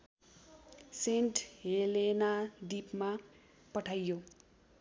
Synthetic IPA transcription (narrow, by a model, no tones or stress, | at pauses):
seɳʈɦelenaɖipma | pʌʈʰajːo